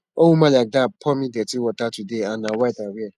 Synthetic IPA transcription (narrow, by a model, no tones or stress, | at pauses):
owumãlak̚dapʰɔmĩdɛtiwɔtatudeanãwaitaɾia